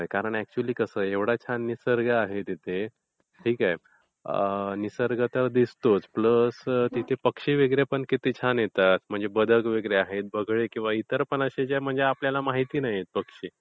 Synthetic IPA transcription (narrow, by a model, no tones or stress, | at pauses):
ɦɦojkaɾəɳæk̚t͡ɕuliːkəsəːeʋɽat͡ɕʰanisəɾɡəaɦet̪it̪ʰe | ʈʰiːkaj | ənisəɾɡət̪əɾd̪ist̪ot͡spləst̪it̪ʰepəkʂiːʋeɡɾjepəɳkit̪it͡ɕʰanjet̪at̪m̤əɳd͡zebəd̪ʱəkʋeɡɾeaɦet̪̚bəɡɭekĩw̃ʋait̪əɾpəɳəɕet͡ɕam̤əɳd͡zeapljalamaɦit̪iːnajet̪̚pəkʂiː